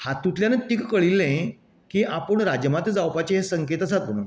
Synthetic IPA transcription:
hat̪ːut̪ljanət̪iːkkəɭilːẽ | kiʔapəɳɾad͡ʑəmat̪ed͡zawpat͡ɕeɦesəŋket̪əsat̪̚m̤əɽ̃uːn

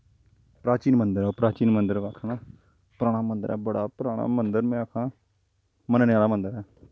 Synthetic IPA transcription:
pɾaːt͡ʃiːnmənd̪əɾɛːpɾaːt͡ʃiːnmənd̪əɾʋaːkʰnãː | pɾaːɽ̃aːmənd̪əɾɛ̰ːbəɽaːpɾaːɽ̃a̰ːmənd̪əɾmɛ̃ːaːkʰãː | mənanɪjaːlaːmənd̪əɾɛː

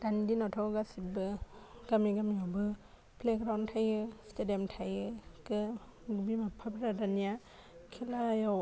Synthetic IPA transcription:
d̥anidinatʰɔɡasit̚bɯɡamiɡamiɔbɯ | plekɾawntʰajɯstedemtʰajɯkɯɡbimapʰabɾadanija | kʰilaja

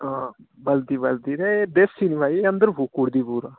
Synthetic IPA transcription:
ãbəld̪iːbəld̪iːɾɛd̪esːiːniːbaːieə̃nd̪əɾbukuɽd̪iːbuːɾaː

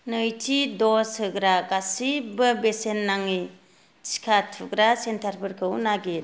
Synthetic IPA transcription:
nɯjtʰidɔsɯɡɾaɡasibɯbesenːaŋi | t͡ʃi̥kʰatʰɯɡɾasentʰaɾpʰɯɾkʰɯwnaɡe

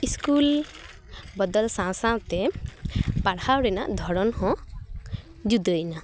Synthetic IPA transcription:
iskul | bɔd̪ɔlsãsãwt̪e | paɽhawɽɛna̰ʔd̪ʱɔɽɔnhɔ̃ | d͡ʒud̪ɔjna

